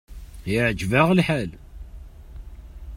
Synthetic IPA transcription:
jəʕəd͡ʒvaʁlħal

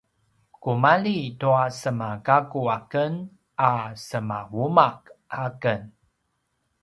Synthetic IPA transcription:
kumalituasəmaɡaɡuakən | asəmawumakʔakən

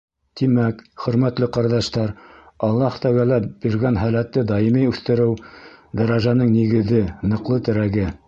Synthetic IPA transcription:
t̪imækχɵ̆ɾmæt̪lɘqɑɾðɑʃt̪ɑɾ | ɑlˠːɑht̪ɑɣælæbiɾɡænɦælæt̪ːɘd̪ɑjimijʉθt̪ɘ̆ɾɘwd̪ɑɾɑʒɑnɤŋniɡɘ̆ðɘnɤ̆qlˠɤt̪ɘ̆ɾæɡɘ

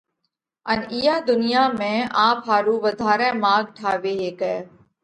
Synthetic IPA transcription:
ənɪjaːd̪ʊnɪjaːmẽːaːpɦaːɾuːʋəd̪ʱaːɾɛ̃ːmaːɡ̚ʈʰaːʋeːɦeːkɛː

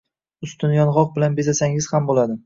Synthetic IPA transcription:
ʊst̪ʊnjɒnʁɒq̚bɪlanbezasaŋɪz̥hambolad̪ɪ

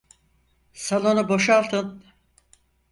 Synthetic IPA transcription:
salˠo̞nubo̞ʃalˠt̪ʰɯn

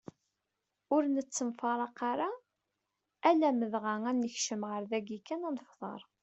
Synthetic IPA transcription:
ʊɾnət͡sːəmfɑɾˤɑqɑɾa | ælæməðʁæŋænːəçʃəmʁəɾðæɡikːænænəfðˤɑ̰ɾˤ

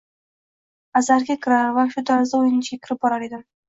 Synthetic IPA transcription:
azaɾɡʲakʲʰɪɾaɾvaʃʊt̪ʰaɾzd̪aojnɪnt͡ʃʰɡʲakʲʰɪɾɪp̚bɒɾaɾe̞d̪ɪm

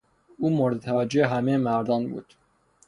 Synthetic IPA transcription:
uːmoɾd̪t̪ʰæd͡ʒeːɦæmeːmæɾd̪ɑːnɡṵt̪

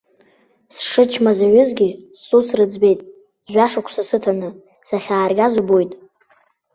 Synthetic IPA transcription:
sʂɨt͡ʃʰmazaɥʊzɡʲisːusrɨd͡zbe̞jtʼ | ʒʷaʂakʷʰsasɨtʰanɨ | saχʲaːrɡʲazubo̞jtʼ

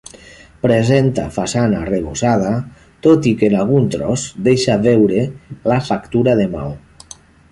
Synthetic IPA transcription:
pɾezent̪a̰fasanareβosað̞a | t̪ot̪ikenalɣ̞unt̪ɾɔzd̪eʃaβewɾelafakt̪uɾaðema̰w

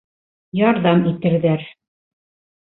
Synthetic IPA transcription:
jɒɾðɑmit̪ɘ̆ɾðæɾ

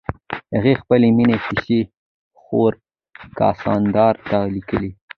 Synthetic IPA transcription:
ha̰ɣexpəleminepɪʃe | xoɾ | kɑ̰sɑnd̪ɑɾt̪alikəli

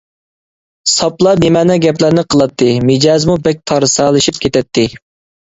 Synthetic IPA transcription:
sɑplˠɑnemɛnɛɡʲɛplæɾnɨqʰəlˠɑt̪ʰːɨmɨd͡ʒɑzmubɛk̚ʲt̪ʰɑɾɨsɑlˠɨʃip̚kʰʲet̪ʰɛt̪ʰːɪ

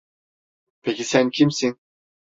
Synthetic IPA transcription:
pʰecʲisæncʰimsin

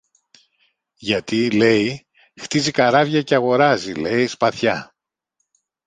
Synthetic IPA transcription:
ʝɐt̪ile̞i | xt̪izikɐɾɐvʝɐceɐɣo̞ɾɐzile̞ispɐθçɐ

